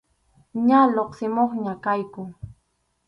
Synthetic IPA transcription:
ɲaloqsɪmoχɲakajkʊ

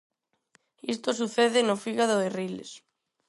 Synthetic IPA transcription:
ist̪os̬uθeðɪnofiɣaðoerilḛs

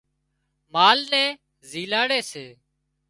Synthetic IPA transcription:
maːlnɛ̃ː | ziːlaːɽeːseː

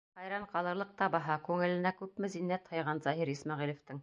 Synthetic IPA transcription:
χɑjɾɑɴqɑlˠɤ̆ɾlˠɤq̚t̪ɑbɑɦɑkʉŋɘ̆lɘ̆nækʉpmɘ̆zinːæt̪hɤ̆jʁɑnzɑɦiɾismɑʁilŏft̪ɘŋ

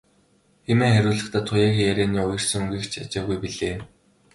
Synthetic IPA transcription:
xemeːχæɾʲʊːɮə̆χt̪aːt̪ʰːʊjaːkjæɾʲeːniːʊjɞ̆r̥sə̆ŋɣiːkt͡ɕʰat͡ɕaːɣujpiɮeː

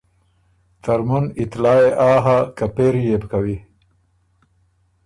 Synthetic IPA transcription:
t̪aɾmunit̪lɑːeʔaːɦakapeɾjebkawi

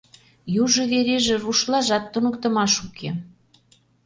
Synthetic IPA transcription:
juʒɤ̆βeɾeʒĕruʃlɑʒɑt̪ːunə̆kt̪ə̆mɑʃukʰe

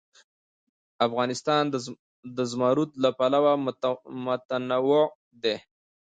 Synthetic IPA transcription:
afɣɑnɪst̪ɑnd̪ | d̪əzmɑɾut̪lapalawamʊt̪anawo | d̪e

